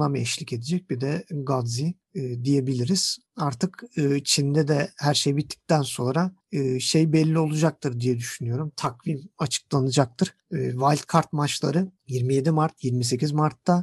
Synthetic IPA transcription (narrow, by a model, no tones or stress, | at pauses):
amɛʃlʲice̞d̪id͡ʒɛc̚bid̪ɛɡad̪ziː | d̪ije̞bilʲiɾiz̥ | aɾt̪ʰɯkɯːt͡ʃʰind̪ɛd̪ɛhæɾʃejbit̪ʰːi̥c̚t̪ænso̞nɾa | ɯːʃejbɛlʲːio̞lˠud͡ʒak̚t̪ʰɯɾd̪ijɛd̪yʃynyjo̞ɾumt̪ʰakvimat͡ʃʰɯ̥k̚lˠanɯd͡ʒak̚t̪ʰɯɾ̥ɯːvalʲt̪kʰaɾt̪̚mat͡ʃlˠa̰ɾɯjiɾmije̞d̪imaɾt̪jiɾmise̞cʰizmaɾt̪ʰːa